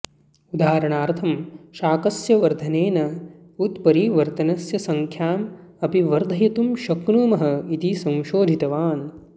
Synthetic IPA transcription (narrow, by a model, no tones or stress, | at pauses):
ud̪aːɾɐɳaːɾt̪ʰɐmʃaːkɐsjɐʋɐɾd̪ʱɐneːnɐ | ut̪pɐɾiːʋɐɾt̪ɐnɐsjɐsɐŋkʰjaːmɐpiʋɐɾd̪ʱɐjɐt̪umʃɐknuːmɐɦɐit̪isɐ̃w̃ʃoːd̪ʱit̪ɐʋaːn